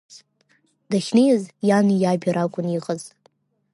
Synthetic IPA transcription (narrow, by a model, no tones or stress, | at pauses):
d̥aχʲnejazjanijabʲiɾakʷʼʊniqʼəz